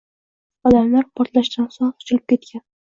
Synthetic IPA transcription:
ɒd̪amlaɾpʰɒɾt̪laʃd̪ansoŋχʊ̥t͡ʃɪlɪp̚kʲe̞t̪̚kʲʰan

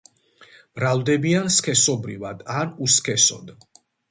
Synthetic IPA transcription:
bɾald̪ɛbianskʰɛsɔbɾivad̪anuskʰɛsɔ̰d̪

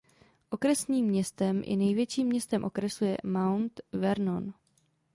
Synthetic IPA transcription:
ʔo̞kɾɛsniːmːɲɛst̪ɛmʔɪ̰nɛjvjɛt͡ʃiːmːɲɛst̪ɛmʔo̞kɾɛsujɛ̰mawnt̪vɛɾnon

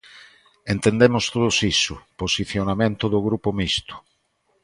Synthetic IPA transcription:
ent̪ẽnd̪emʊst̪oðosisʊ̰posiθjonamẽnt̪ʊðʊɣɾupomist̪ʊ̥

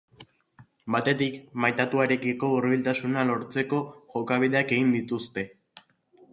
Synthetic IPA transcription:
bat̪e̞t̪ikmajt̪at̪uaɾe̞kiko̞uɾβilt̪asunalo̞ɾt͡se̞ko̞ʝo̞kaβ̞iðe̞ake̞ɣind̪it̪ust̪e̞

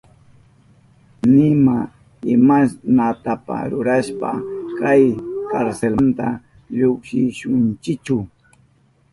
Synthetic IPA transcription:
nɪma | ɪmasnat̪apa̰ɾʊɾaʃpa̰kajkaɾselnt̪a | ʎokʃɪʃʊnt͡ʃɪkt͡ʃʊ

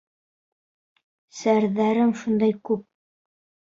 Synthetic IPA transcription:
sæɾðæɾɘmʃund̪ɑjkʉp̚

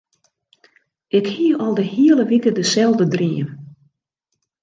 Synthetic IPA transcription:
ʔɪkhiəʔɔlˠdəhiəlˠəʋikədəsɛlˠdədriən

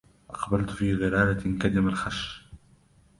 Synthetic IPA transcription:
ʔɑqbalt̪fiːɣɪɾaːlakad̪ɪmalxaʃ

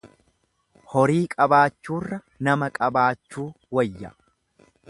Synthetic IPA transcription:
hɔɾiːkʼɐbaːt͡ʃːuːrːɐ | nɐmɐkʼɐbaːt͡ʃːuː | wɐjːɐ̰

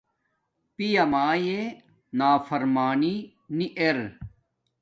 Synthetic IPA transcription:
pijɐmaːje | naːfɐɾmaːni | niʔeɾ

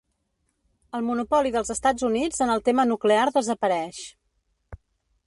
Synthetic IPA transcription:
əlˠmunupɔliðəlˠzəst̪ad͡zunid͡zənəlˠt̪emənukleaɾðəzəpəɾɛʃ

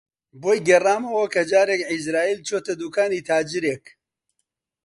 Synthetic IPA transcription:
boːjɡɛraːmɐwɐkɐd͡ʒaːɾeːkʕizɾaːiːlt͡ʃʰoːt̪ɐd̪uːkaːniːt̪ʰaːd͡ʒɨɾeːk

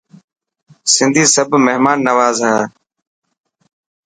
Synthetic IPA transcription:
sɪnd̪ʱiːsəbʱmeɦmaːnːəʋaːzɦaː

